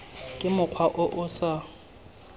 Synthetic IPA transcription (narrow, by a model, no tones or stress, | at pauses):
kʼɪmʊkʰwaʔʊʔʊsa